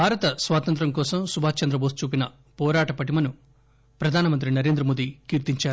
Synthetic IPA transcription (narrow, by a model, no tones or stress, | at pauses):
bʱaːɾɐt̪ɐsʋaːt̪ɐnt̪̬ɾɐmkɔːsɐmsubʱaːt͡ʃːɐnd̪ɾɐboːst͡ʃuːpinɐ | pɔːɾaːʈɐpɐʈimɐnu | pɾɐd̪ʱaːnɐmɐnt̪ɾinɐɾeːnd̪ɾɐmoːd̪ikiːɾt̪iɲt͡ʃaːɾu